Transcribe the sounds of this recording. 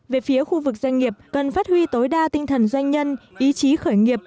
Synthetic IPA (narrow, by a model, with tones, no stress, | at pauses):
ve˨˩fi˨˦əxu˧vɨ˨˩k̚za˧jŋ̟ŋi˨˩əp̚kə˨˩nfaː˦˥t̚hwi˧t̪o˨˦jɗaː˧t̪ï˧ŋ̟t̪ʰə˨˩nzwa˧jŋ̟ɲə˧nʔi˨˦t͡ɕi˨˦xəː˧˩jŋi˨˩əp̚